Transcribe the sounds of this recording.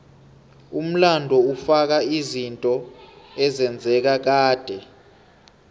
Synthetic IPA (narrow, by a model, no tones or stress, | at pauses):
um̩landʱɔufak̬aizintʼɔɛzɛnd͡zʱɛk̬ak̬aːd̥ʱɛ